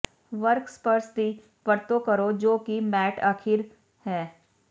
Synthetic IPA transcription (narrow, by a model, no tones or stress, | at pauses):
ʋəɾkspəɾsd̪i | ʋəɾt̪okɐɾod͡ʒoːkimɛːʈaːkʰɪɾ | hɛː